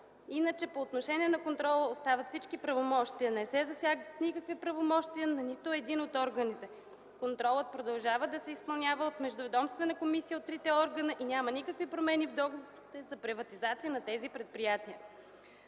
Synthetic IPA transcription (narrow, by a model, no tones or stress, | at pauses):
inət͡ʃɛpoːt̪noʃɛnʲiɛnɐkont̪ɾɔlˠəost̪avɐt̪fsit͡ʃkipɾɐvomɔʃt̪iənɛsɛzɐsʲjaɡət̪nikəkvipɾɐvomɔʃt̪iənɐnit̪ʊɛd̪inot̪ɔɾɡɐnit̪ɛ | kont̪ɾɔlˠət̪̚pɾod̪ɐlˠʒavəd̪ɐsɛispɐlˠnʲavəot̪mɛʒd̪ʊvɛd̪ɔmst̪vɛnəkomisijəot̪ːɾit̪ɛɔɾɡɐnəʔinʲamɐnikəkvipɾomɛnivd̪ɔɡovoɾit̪ɛzɐpɾivɐt̪izat̪sijənɐt̪ɛzipɾɛt̪̚pɾijat̪iə